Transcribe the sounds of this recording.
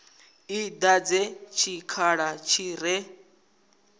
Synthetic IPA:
id̪ad͡zɛt͡ʃʰikʰaɺat͡ʃʰiɾɛ

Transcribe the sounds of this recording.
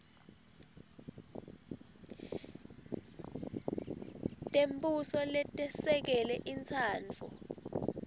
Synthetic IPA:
tʼembʼusɔlɛtʼɛsɛk̬ɛlɛʔint͡sʰaːnt͡fʰṵ

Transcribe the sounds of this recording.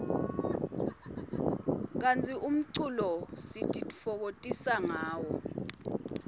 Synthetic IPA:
k̬ant͡sʼiʔum̩ǀulɔsitʰʼitʼi̥fɔk̬otʼisaŋaːwɔ

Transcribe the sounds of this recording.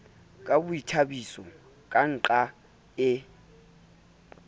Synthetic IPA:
k̬ʼaɓujitʰaɓisɔ | k̬ʼan̩ǃa | ɛ

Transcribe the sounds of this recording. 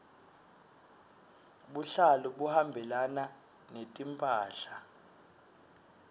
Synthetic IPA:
ɓuɬaluɓuhambʱɛlana | netʼimpʼaːɬa

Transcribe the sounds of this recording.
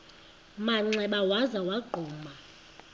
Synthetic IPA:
maŋ͡ǀɛɓawazawaɡ͡ǃʱɔːma

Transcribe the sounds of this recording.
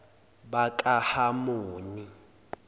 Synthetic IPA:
bakʼahamoːni

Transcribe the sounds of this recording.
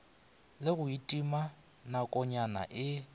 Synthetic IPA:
lɪɣʊitʼima | nakʼɔɲana̰ʔɪ

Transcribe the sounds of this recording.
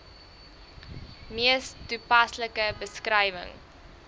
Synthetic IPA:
miəstupɐsləkəbəskrɛjvə̰ŋ

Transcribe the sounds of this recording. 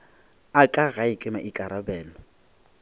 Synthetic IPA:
akʼaɣaɪkʼɪmaʔikʼaɾabɛːnɔ

